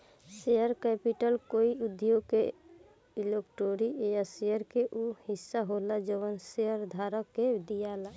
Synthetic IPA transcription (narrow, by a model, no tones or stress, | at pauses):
seəɾkɛpiʈəlkoiud̪joɡ̚ke | ilekʈoɾieəsejəɾkeʔuhisːaɦolad͡ʒoʋənseəɾd̪ʱaɾəkːed̪ijala